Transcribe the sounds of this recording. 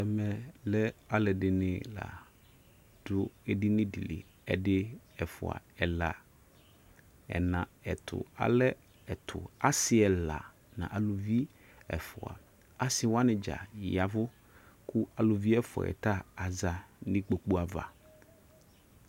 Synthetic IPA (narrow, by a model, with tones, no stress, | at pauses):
ɛ˨mɛ˨lɛ˦a˦lɛ˨dɪ˨nɪ̃˨la̰˨ | d̥ʊ˦e˨di˦nɪ̃˦di˨lḭ˨ | ɛ̰˨dɪ˦ɛ˨fʊ̰˨a̰˨ɛ˨la˨ | ɛ̰˨nã˨ɛ˨t̪ʰʊ̰˨a̰˨lɛ˦ | ɛ˨t̪ʰʊ˨a˦sɪ˦ɛ˨la˨ | nã̰˨ʔa˨lo˨vi˦ | ɛ̰˨fʊ˨a̰˨ | a˨sɪ˨wa˦nɪ̃˨d͡ʒa̰˨ja˨vʊ˦ | ku˦a˨lʊ˨vi˦ɛ˦fɔ̰˨ɛ̰˨t̪a˦a˨za˨nɪ̃˦k͡po˨k͡pu˦a˨va̰˨